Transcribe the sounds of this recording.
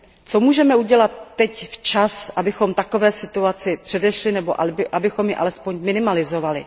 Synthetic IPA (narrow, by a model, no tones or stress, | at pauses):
t͡so̞muːʒɛmɛuɟɛlat̪ːɛcft͡ʃasʔabɪxo̞mt̪ako̞vɛːsɪt̪uat͡sɪpr̝̥ɛdɛʃlɪnɛbo̞ʔʔabɪxo̞mjɪʔa̰lɛspo̞ɲmɪnɪmalɪzo̞valɪ̰